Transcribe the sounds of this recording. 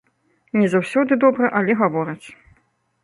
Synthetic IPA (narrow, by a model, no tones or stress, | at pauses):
nʲɛzawsʲɔd̪ɨd̪ɔbɾɐʔɐlʲɛɣavɔɾɐt͡sʲ